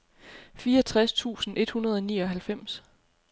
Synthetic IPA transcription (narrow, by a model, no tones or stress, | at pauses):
fiːɒt͡sʰʁast͡sʰṵːsn̩ʔe̝d̥hunɐð̞ˠɒ̽niːɒ̽ɦælfem̰s